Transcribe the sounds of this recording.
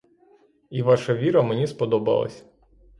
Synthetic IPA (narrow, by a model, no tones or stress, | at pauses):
iʋɑʃɐʋʲiɾɐmenʲispɔd̪ɔbɐ̰lˠɐ̰sʲ